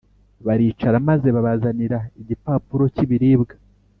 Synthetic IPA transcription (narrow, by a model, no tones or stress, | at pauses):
βaɾiːt͡ʃaɾamaze̞βaβazaniɾaiɟipaːpuɾo̞ciβiɾiːbɡḁ